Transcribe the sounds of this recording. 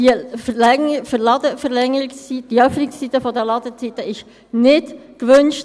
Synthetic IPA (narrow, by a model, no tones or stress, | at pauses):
iəflɛfəɾlɑdəfəʁlɛŋəɾɪkst͡sitd̥iœfnɪksitəfɔdɛlɑd̪ət͡sitəɪʃ | nɪtkʋønʃt